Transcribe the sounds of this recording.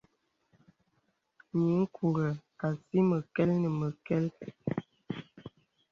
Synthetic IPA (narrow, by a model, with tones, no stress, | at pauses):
ɲi˨˦ŋ̩˦kʰu˨ɣə˨a˨si˦mə˨kɛ˦lnə˨mə˨kɛ˦l